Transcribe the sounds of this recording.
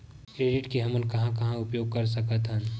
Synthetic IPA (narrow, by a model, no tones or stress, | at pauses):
kɾeːɖɪʈkeɦɐməlkɐɦãkɐɦãʊpjoːɡ̚kɐɾs̬ɐkət̪ɦə̃n